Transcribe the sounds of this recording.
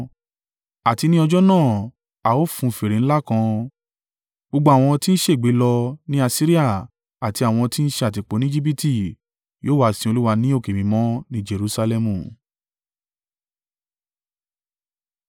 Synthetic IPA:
a˨ti˧nĩ˦ɔ˧d͡ʒɔ˦nãː˦˨ | a˨o˦fũ˧˨fe˨ɾẽ˨n̩˦la˦kã˧ | bo˧ɡ͡bo˧a˨w̃ɔ̃˧ti˦n̩˦ʃe˦˨ɡ͡be˨˦lɔ˧nĩ˦a˧si˦ɾi˦a˦˨ | a˨ti˧a˨w̃ɔ̃˧ti˦n̩˦ʃe˧a˨t̬i˨k͡po˨˦nĩ˦d͡ʒi˦p̬i˦ti˦˨ | joː˦wa˧˨sĩ˧o˧lu˦wa˧nĩ˦o˦˨ke˨mĩ˨˧˦mɔ̃˦nĩ˦d͡ʒe˧ɾu˧˦sa˧lɛ˧mũ˨

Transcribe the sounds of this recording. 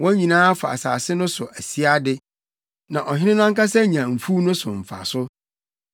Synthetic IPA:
wɔ̃˦ɲĩ˨nãː˦fa̰˨a̰˨sa̰ː˨sɪ˦nʊ̃˦sʊ˨ʔæ˨si˦a˦dɪ˦ | nã˨ʔɔ˨ɦɪ̃˦nɪ̃˦nã˦ŋka˦sɛ˦ɲã˨m̩˨fu˦nʊ̃˦sʊ̰˨m̩˨fa̰˨sʊ˦

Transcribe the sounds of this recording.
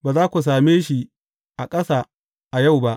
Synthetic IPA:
baː˨zaː˦kʷu˨s̬aː˨meː˦ʃi˦ | ʔa˨kʼɐ˦saː˨ | ʔa˨ja˦˨wba˦ʔ

